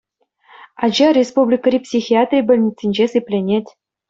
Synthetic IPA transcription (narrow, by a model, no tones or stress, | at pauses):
ɑd͡ʑɑrʲespublʲikrʲipsʲixʲiat̪rʲibʲɘ̆lʲnʲit͡sʲːinʲd͡ʑesɨpʲlʲenʲetʲ